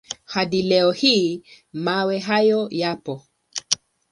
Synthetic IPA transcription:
haɗilɛɔhiː | mawɛɦajɔjapɔ

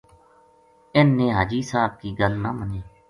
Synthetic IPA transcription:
ɪnːẽːɦaːd͡ʒiːsaːb̚kiːɡəlnaːməneː

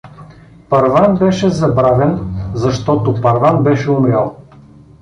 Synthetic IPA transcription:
pɐɾvanbɛʃɛzɐbɾavɛnzɐʃt̪ɔt̪opɐɾvanbɛʃɛʊmɾʲalˠ

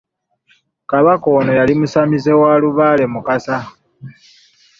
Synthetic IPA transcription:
kaβako̞ːno̞jalimusamize̞waːluβaːle̞mukasa

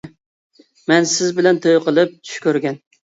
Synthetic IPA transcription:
mɛnsɪzbɪlɛnt̪ʰojqʰəlˠɨp̚t͡ʃ̪ʰy̥ʃkʲʰøɾɡʲɛn

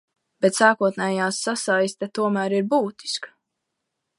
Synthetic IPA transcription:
b̥ɛt̪saːkuɔt̪nɛːjaːsːasajst̪at̪uɔmæːɾiɾbuːt̪i̥sk

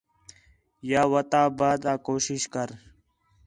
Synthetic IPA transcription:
jaːʋət̪ãːbaːd̪ãːkoːʃɪʃkəɾ

